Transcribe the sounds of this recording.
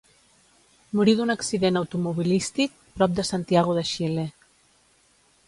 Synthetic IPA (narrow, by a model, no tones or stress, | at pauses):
muɾiðunaksiðenawt̪umuβilist̪ik̚pɾɔp̚d̪əsant̪iaɣ̞oðəʃile